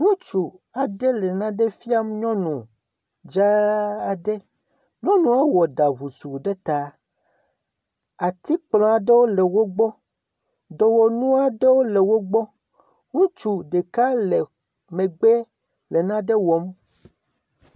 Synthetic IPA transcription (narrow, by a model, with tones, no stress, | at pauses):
nũ˦t͡ʃu˨ | a˨ɖe˦lɛ˨nã˦ɖe˦fi˦a˦mɲɔ̃˦nũ˨ | d͡ʒa˦a˨ɖe˦ | ɲɔ̃˦nũ˨a˦wɔ˨da˨βu˨su˨ɖe˦t̪a˨ | a˨t̪i˦k͡plɔ̃˨a˨ɖe˦wo˦lɛ˨wo˦ɡ͡bɔ˦ | d̪ɔ˨wɔ˨nũ˦a˦ɖe˦wo˦le˨wo˦ɡ͡bɔ˦ | ŋũ˦t͡ʃu˨ɖe˨ka˦le˨ | mẽ˨ɡ͡be˦ | le˨nã˦ɖe˦wɔ˨˦m